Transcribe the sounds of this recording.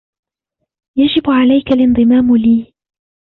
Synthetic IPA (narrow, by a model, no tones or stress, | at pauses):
jad͡ʒɪbʕalajkalʔɪnd̪ˤɨmaːmliː